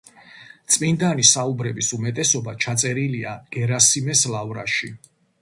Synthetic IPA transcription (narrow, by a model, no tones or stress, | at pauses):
t̪sʼmind̪anisaubɾɛbisumɛt̪ʼɛsɔbat͡ʃʰat̪sʼɛɾiliaɡ̥ɛɾasimɛslavɾa̰ʃi